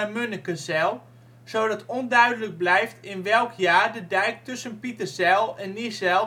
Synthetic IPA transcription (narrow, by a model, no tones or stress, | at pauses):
amønəkəsɛlˠ | sowdɔtɔndœɥdələɡ̚blɛjftɪnʋɛlˠkʰjaːɹdədɛjk̚tɵsənpitəsɛlˠɛnːisɛl